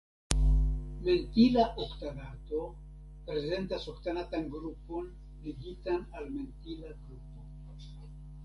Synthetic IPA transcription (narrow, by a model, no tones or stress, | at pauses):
me̞ntilaʔoktaɡato̞ | pɾe̞ze̞ntasoktanatanɡɾupo̞n | liɡitanalme̞ntilaɡɾupo̞